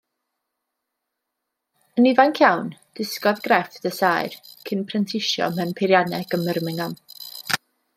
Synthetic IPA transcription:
ənivankʰjawnd̥ɪskɔðɡrɛfd̥əsaːɨrkʰɪnpʰrɛntʰɪʃjɔ̰mɛwnpʰɪɾjanɛɡ̥əmərmɪŋan

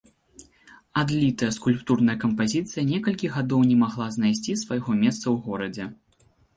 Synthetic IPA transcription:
ad̪lʲit̪ɐjɐskulʲpt̪urnɐjɐkɐmpazʲit̪sɨjɐnʲɛkɐlʲkʲiɣad̪ɔwnʲɛmaɣlˠaznajsʲt͡sʲisvajɣɔmʲɛst̪sɐwɣɔɾɐd͡zʲɛ

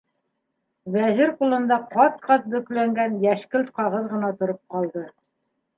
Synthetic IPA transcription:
wæzɘɾqulˠɤ̆nd̪ɑqɑt̪̚qɑt̪̚bɵ̆klæŋɡænjæʃkɘlqɑʁɤðʁɤ̆nɑt̪ŏɾop̚qɑlˠd̪ɤ

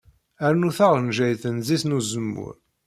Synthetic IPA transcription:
æɾnuθaʁnʒæjθənzisnuzəmːʊ̰ɾ

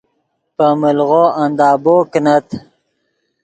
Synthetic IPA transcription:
pəməlɣoand̪ɑːboːknat̪

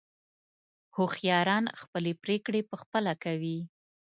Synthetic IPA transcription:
hoxjɑɾɑnxpəlepɾekɽepəxpəlakawi

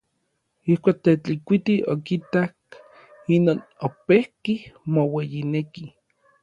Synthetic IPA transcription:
ihkʷaːk̚t̪et͡ɬikʷit̪iʔokit̪ak̚ | inoːnopehkihmowejineki

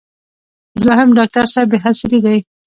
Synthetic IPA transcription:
d̪waɦamɖɑk̚ʈaɾsabeɦasɪliɡ̪aj

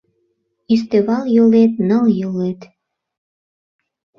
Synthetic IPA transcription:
is̬t̪eβɑljolet̪̚nəljəlet̪

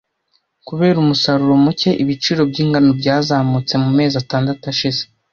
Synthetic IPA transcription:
kuβe̞ːɾumusaɾuɾo̞muce̞ʔiβit͡ʃiːɾo̞bɟiːŋɡanobɟaːzaːmut͡se̞mume̞ːzataːndatuaʃize

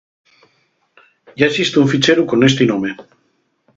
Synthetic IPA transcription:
ɟ͡ʝaesist̪euɱfit͡ʃeɾukonest̪inome

